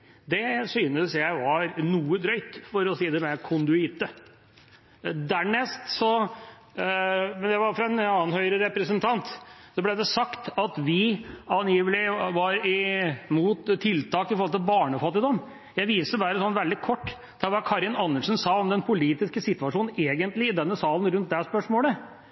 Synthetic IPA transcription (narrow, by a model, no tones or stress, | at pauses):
d̪ɛsyːnəsjæɪʋɑɾnuːəd̪ɾœʏt̪fɔɾɔsiːd̪ɛmɛkʰʊnd̪ʉɪt̪ə | d̪æɳɛst̪sɔ | mɛnd̪ɛʋɑɾfɾɑɛnɑːnhœʏɾəɾɛpɾəsənt̪ʰɑnt̪sɔblɛd̪ɛsɑkt̪ɑt̪ʋɪɑnjiːʋəlɪʋɑɾɪmuːt̪ʰːɪlt̪ʰɑːkɪfɔɾɔlt̪ɪbɑːɳəfɑt̪ɪd̪ɔm | jæɪʋiːsəbæːɾəsɔnːʋɛld̪ɪkʰɔʈː | d̪̥ɛʋɑkʰɑɾɪnɑnːəʂənsɑːɔmd̪ɛnpʰʊliːt̪ɪskəsɪt̪ʋɑʂuːnn̩eːɡənt̪lɪɪd̪ɛnːəsɑːln̩ɾʉnt̪̚d̪ɛspœʂmoːlə